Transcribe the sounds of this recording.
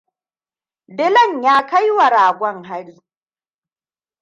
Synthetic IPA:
dɪ˦lɐ˦˨ɲjaː˦ka˦jwa˨ɽaː˨ɡʷɔ˦ŋɦa˦ɽiː˦

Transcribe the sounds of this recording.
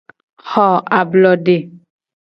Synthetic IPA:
hɔ˦˨a˨blɔ˨de˦˨

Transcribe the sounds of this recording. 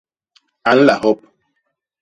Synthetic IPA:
a˨n̩˦la˨ɦɔ˦p̚

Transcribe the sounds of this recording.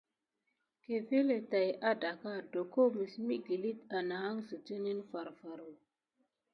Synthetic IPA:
ke˨ve˦le˨ta˨jʔa˦da˨ka˦do˨ko˦mi˨smi˦ɡi˨li˦t̪a˨na˨a˦ŋsə˨tə˦ni˦nfa˨ɾfa˨ɾo˨

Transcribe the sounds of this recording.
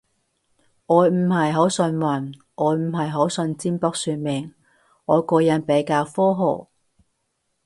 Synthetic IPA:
ŋɔː˨˧jm̩˨˩hɐ˨jɦo˨˥wsɵ˧nwɐ˨˩n | ʔɔː˨˧˥jm̩˨˩ɦɐ˨jɦo˨˥wsɵ˧nt͡siː˥npɔː˧k̚syː˨˧mɪ˨˩ŋ | ŋɔː˨˧jkɔː˧jɐ˨˥npe˨˥jkaː˧wfɔː˥ɦo̰˨˩w

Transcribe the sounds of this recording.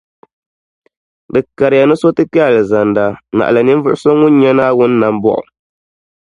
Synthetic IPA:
dɨ˨ka˨ɾɪ˨ja˨nɨ˦so˦tɨ˦pi˦a˨lɨ˨za˨nda˨na̰˨ʔa̰˨lɨ˨nɨ˦m˦vʊ˦ʔʊ˦so˦ŋʊ˦n˦ɲɛ˦naː˦wʊ˦nː˦a˨m˦bɔ̰˦˨ʔʊ̰˨

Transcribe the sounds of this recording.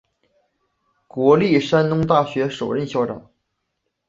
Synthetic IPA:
kwɔ˧˥li˥˩ʂa˥nnʊ˥ŋt̪a˥˩ɕɥɛ˧˥ʂo˨˩ʊɻə˥˩nɕjɑ˥ʊʈ͡ʂɑ̰˨˩˦

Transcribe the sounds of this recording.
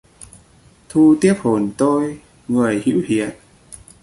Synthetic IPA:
t̪ʰu˧t̪i˦˥əp̚ho˨˩nt̪o˧j | ŋɨ˨˩əjhḭ˧˥whḭ˧˨ən

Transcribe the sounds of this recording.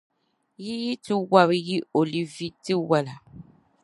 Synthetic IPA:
ji˦ji˦tɪ˦wa˦βji˦o˨li˦vi˦tɨ˦wa˦la˨

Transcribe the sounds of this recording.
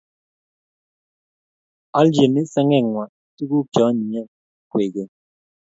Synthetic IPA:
ɔ˦ld͡ʒe˨ne˦sɛ˦ŋɛ˦˨ŋwa˨˦tu˦ku˦kjɔ˨˦ni˨ɲɛ˦˨˦ | kwe˨ɡe˨

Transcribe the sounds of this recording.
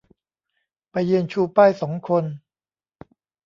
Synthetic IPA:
pa˧jːɯ˧nt͡ɕʰuː˧paː˥˩jsɔː˩˦ŋkʰo˧n

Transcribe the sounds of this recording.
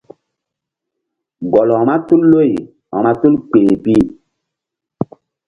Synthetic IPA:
ɡɔ˨lɔ˨ma˦tu˦lːo˦˨j | a̰˨ma˦tu˦lk͡pe˨pi˦

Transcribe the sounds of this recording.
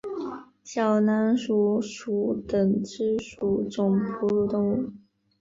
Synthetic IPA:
ɕjɑ˨˩ʊna˧˥nʂu˧˥ʂu˧˥t̪ə˨˩ŋʈ͡ʂɻ̩˥ʂu˧˥ʈ͡ʂʊ˨˩ŋpʰu˧˥lu˥˧t̪ʊ˥ŋu˨˩

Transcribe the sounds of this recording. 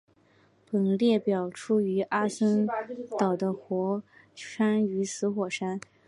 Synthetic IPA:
pə˨˩ŋljɛ˥˩pjɑ˨˩ʊʈ͡ʂʰu˥y˧˥ʔa˥sə˥nt̪ɑ˨˩ʊd̪ə˦xwɔ˧˥ʂa˥ny˧˥sʰɹ̩˧˥xwɔ˨˩ʂa˥n

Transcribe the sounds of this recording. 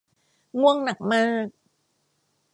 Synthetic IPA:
ŋu˥˩əŋna˨˩k̚maː˥˩k̚

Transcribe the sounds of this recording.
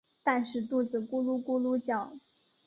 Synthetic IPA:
t̪a˥˧nʂɻ̩˥˧t̪u˥˩d͡zɹ̩˨˩ku˥lu˥˩ku˥lu˥t͡ɕjɑ˨˩˦ʊ

